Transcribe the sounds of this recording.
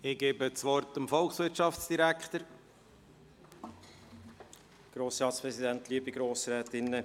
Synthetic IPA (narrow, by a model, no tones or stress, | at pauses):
ɪɡeːbət͡sʋɔrtəmfɔlksʋɪɾtʃɑft͡sd̥iɾækχt̪əɾ | ɡ̥ɾoːsɾɑːtspɾɛsid̪æntliːəbiɡɾoːsɾɛːtɪnːə